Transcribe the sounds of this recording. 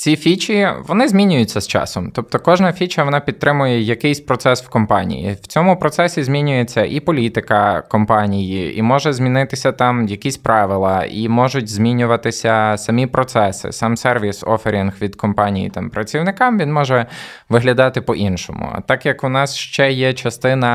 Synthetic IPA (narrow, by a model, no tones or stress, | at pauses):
t͡sʲifʲit͡ʃiʋɔnɪzʲmʲinʲʊjʊtʲt͡sʲːɐst͡ʃɑ̰sɔmt̪ɔp̚t̪ɔkɔʒnɐfʲit͡ʃɐʋɔnɑpʲid̪̚t̪ɾɪmʊjɛjɐkɪjsʲpɾɔt̪sɛswkɔmpɑnʲḭjḭw̥t͡sʲɔmʊpɾɔt̪sɛsʲizʲmʲinʲʊjet͡sʲːɐʔipɔlʲit̪ɪkɐkɔmpɑnʲijiḭmɔʒɛzʲmʲinɪt̪ɪsʲɐt̪ɑmjɐkʲisʲpɾɑʋɪlˠɐimɔʒʊtʲzʲmʲinʲʊʋɐt̪ɪsʲɐsɐmʲipɾɔt̪sɛsɪ̰sɑmsɛrʋʲisɔ̰feɾʲinxʋʲid̪kɔmpɑnʲijḭt̪ɑmpɾɐt͡sʲiwnɪkɑmʋinmɔʒɛ | ʋɪɦlʲɐd̪ɑt̪ɪpɔʔinʃɔ̰mʊ̰t̪ɑkjɐkʊnɑsʃt͡ʃɛjɛt͡ʃɐst̪ɪnɐ